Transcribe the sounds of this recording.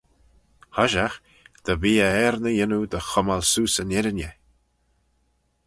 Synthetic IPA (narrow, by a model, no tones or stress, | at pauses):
hɔʒax | d̪̥əviːəɛɾnəjɪnud̪əxɔmalsuːsənɛɾənʲjə